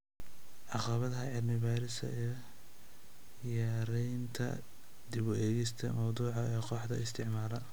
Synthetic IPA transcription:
ʕɑqɑβɐðɐɦɐʕɪdmɪβaːɾɪsɐ̰ɛ | jaːɾɛjnt̪ʰɐ̰ | d̪ɪβɔʔɛːɣɛst̪ʰɐ̰mɐwd̪uːʕɑɛːqɔːħd̪ɐ̰ɪst̪ʰɪʕmaːlɐ

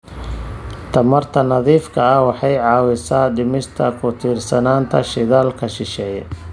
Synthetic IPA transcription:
t̪ʰɐmɐrt̪ʰɐnɐðiːfkʰɐɐwɑħɑjʕɑːwɪsaːɖɪmɪst̪ʰɐkʰʊt̪ʰiːrsɐnaːnt̪ʰɐ̰ʃɪðaːlkʰɐʃɪʃɛːjɛ̰

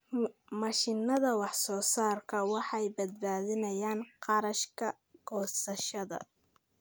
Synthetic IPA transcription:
mɑʃɪnːɐðɐwɑħsɔːsaːrkʰɐwɑħɑjbɐd̪̚baːðɪnɐjaːnqɑɾɐʃkʰɐ | ɡɔːsɐʃɐðɐ̰

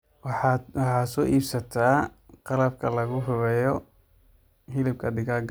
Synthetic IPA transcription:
wwɑħɑːsɔːʔiːbsɐt̪ʰaːqɑlɐb̚kʰɐlɐɣʊɦʊβɛjɔ | hɪlɪb̚kʰɐd̪ɪɣaɡ

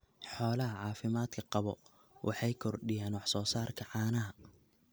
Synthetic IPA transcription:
ħɔːlɐɦɐʕɑːfɪmaːd̪kʰɐqɑβɔ | wʔɑ̰ħɑjkʰɔrɖɪjaːnwɑħsɔːsaːrkʰɐʕɑːnɐɦɐ

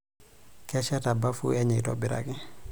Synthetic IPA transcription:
kɛʃatabafṵɛɲitɔ̰biɾa̰ki

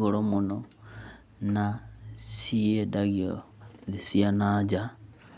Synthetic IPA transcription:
ɣolomuno | nasijedaɣio̰ | ðisianad͡ʒa

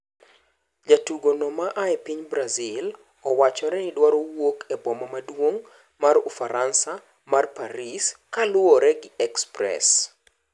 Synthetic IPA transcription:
d͡ʒatuɡonɔmaʔaɛpiɲbɾazil | ɔwat͡ʃɔɾɛnɪdwaɾowokʰɛbɔmamadwoŋ | marufaɾʔansa | marpaɾiskalʊɔɾɛɡɪɛkspɾɛ̰s

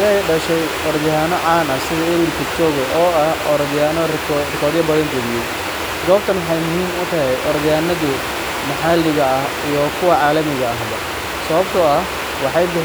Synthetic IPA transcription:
ɛjɖɐʃɛj | ɔɾðɪjanɔʕaːnɐsɪɣɐɪlkʰɪt͡ʃɔːɣɛjʔɔːɐhɔɾðaːnɔrkʰrɪkʰɔːðjɐbɐðɐnɡɐlɪjɛj | ɡɔːb̚t̪ʰɐnwɑħɑjmʊhiːmʊt̪ʰɐɦɛjʔɔɾðjaːnɐði | mɐħalɪɣɐɐh | ijɔkʰʊwɐʕaːlɐmɪɣɐːɦbɐ | sɐβɐbt̪ʰɔɐh | wɑħɑjb̪ɪ

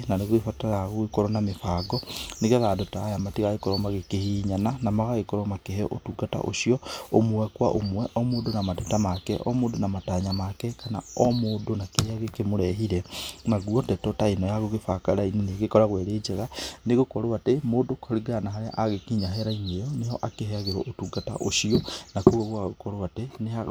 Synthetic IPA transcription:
naneɣwefataɾaɣoekɔɾɔnamefaːɡɔneɣɛðadotaːjamatiɣaɣekɔɾɔmaɣekehiːɲananamaɣaɣekɔɾɔmakeheʔo̰tuɡata̰ʔo̰ʃiɔomuwɛkwaʔomwɛʔɔmoːdonamadotamakɛ̰ʔɔ̰moːdonamataɲamakɛkana̰ɔmoːdonakeɾeaɣekemoɾɛɦiɾɛnaɣwɔtɛtɔtainɔjaɣoɣefakaɾaineneɣekɔɾaɣweɾeːd͡ʒeɣaneɣokɔɾoatemoːdokoɾiɡanaɦaɾeʔaɣekiɲaɦeɾaiɲejɔnejɔʔakehɛaɣeɾɔʔotuɡata̰ʔoʃiɔnakoɣoɣwaɣokɔɾoatenea

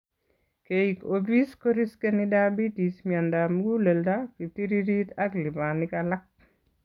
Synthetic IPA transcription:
keikobiskoɾiskenidabitismiandamuɡuleldakitiɾiɾitaklibanɪkalak̚

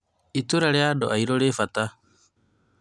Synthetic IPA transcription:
ituɾaɾjadoaiɾolefata

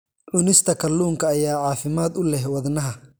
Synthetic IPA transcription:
ʔʊnɪst̪ʰɐkʰɐlːuːŋkʰɐːjaːʕɑːfɪmaːd̪ʊlɛɦwɐðnɐɦɐ

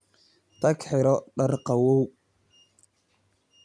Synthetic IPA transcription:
t̪ʰɐkħɪɾɔɖɐrqɑwɔw

